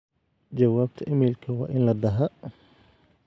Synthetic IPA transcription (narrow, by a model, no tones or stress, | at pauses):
d͡ʒɐwaːb̚t̪ʰɐʔɪmiːlkʰɐwɑ̰ːʔɪnlɐd̪ɐɦɐ